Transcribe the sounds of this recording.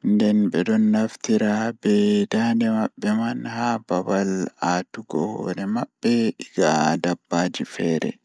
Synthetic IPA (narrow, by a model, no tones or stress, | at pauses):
ndɛnbɛdɔnːaft̪iɾabɛdanɛmaɓːɛmanhababalaːtuɡɔhɔ̰nɛmaɓbːɛiɡadabːaːd͡ʒifɛːɾɛ̰